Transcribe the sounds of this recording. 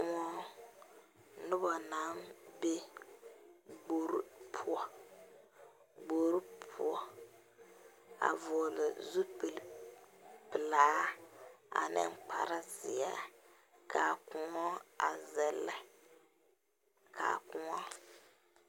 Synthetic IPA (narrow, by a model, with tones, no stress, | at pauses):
kʊ˦ŋɔ˦ | nʊ˦bɔ˨na˨˦nbe˦ | ɡ͡bo˦ɾpʰʊ˦ɔ˦ | ɡ͡bo˨˦ɾu˦pʰʊ˦ɔ˦ | a̰˨vɔ˨lɪ˨zu˦p | pɪ˨laː˨˦ | a̰˨nɪ̰˦ŋ˦k͡pa̰˨ɾa˦zɪ˨a̰˦ | kʰa˨kʊ˨ŋɔ˦a̰˨zɛ˦lːɛ˨ | kʰa̰ː˨kʊ˨ŋɔ˦